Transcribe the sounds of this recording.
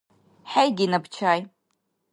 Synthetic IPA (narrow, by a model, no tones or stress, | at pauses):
ħajɡʲinabt͡ʃʰaːj